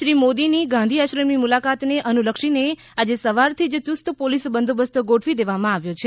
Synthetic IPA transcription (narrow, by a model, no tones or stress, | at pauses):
ʃɾimod̪iniɡãnd̪ʱiəʃɾəmimulakat̪neʔənuləkʃine | ad͡ʒesəʋaɾt̪ʰid͡ʒt̪ust̪əpolisbənd̪ʱobəst̪əɡoʈʰʋid̪eʋamãaʋjot͡ʃʰe